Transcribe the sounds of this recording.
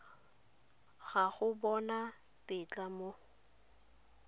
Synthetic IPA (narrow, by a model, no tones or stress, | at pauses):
ɣaɣʊbɔna | tɪt͡ɬʼamo